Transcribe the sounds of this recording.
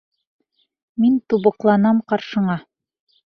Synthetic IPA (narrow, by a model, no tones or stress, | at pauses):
mint̪uβɤ̆qlˠɑnɑmqɑɾʃɤ̆ɴɑ